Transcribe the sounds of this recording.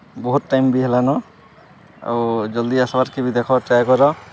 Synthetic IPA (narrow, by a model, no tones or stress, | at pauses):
bɔɦut̪̚ːajmbiɦɛlanɔ | a̰wd͡ʒɔld̪iasɔbaɾkebid̪ɛkʰɔʈaɡɔɾɔ